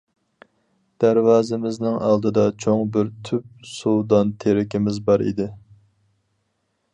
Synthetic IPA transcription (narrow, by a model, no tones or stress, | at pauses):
d̪̥æɾwɑːzɪmɪznɪŋɑlˠd̪ɨd̪ɑt͡ʃʰoŋbɪɾt̪ʰyp̚suwd̪ɑnt̪ʰeɾɪkʲʰɪmɪzbɑɾḭd̪ɪ